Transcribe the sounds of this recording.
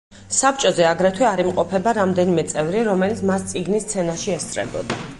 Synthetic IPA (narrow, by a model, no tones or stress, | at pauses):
sapʰt͡ʃʼɔzɛaɡɾɛt̪ʰwɛaɾimqʼɔpʰɛbaɾamd̪ɛnimɛt̪sʼɛvɾiɾɔmɛlit̪sʰmast̪sʼiɡnist̪sʰɛnaʃiɛst̪ʰɾɛ̰bɔ̰d̪a